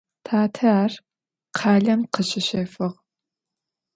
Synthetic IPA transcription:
tʰaːtʰɐaːr | qʰaːɮɐmqəɕɪɕɐfɨʁ

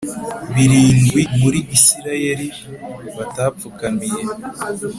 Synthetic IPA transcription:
βiɾiːŋɡwimuɾiɡisiɾajeɾi | βatafukamije

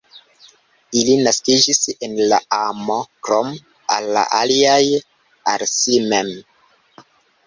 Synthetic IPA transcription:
ilinaskid͡ʒisenlaamo̞kɾom | a̰lːa̰ʔaliaj | aɾsimem

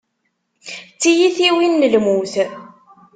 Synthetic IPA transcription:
t͡sːijiθiwinːəlmuθ

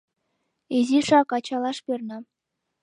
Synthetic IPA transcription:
eziʃɑkɑt͡ɕɑlˠɑʃpernɑ

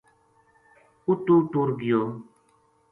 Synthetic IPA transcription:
ututuɾɡijo

